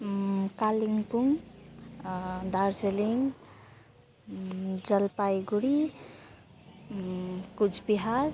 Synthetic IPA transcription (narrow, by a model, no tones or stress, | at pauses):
kaliŋɡpuŋ | d̪aɾd͡ʒeliŋ | d͡ʒəlpajɡuɽi | kud͡ʒʰbiɦaɾ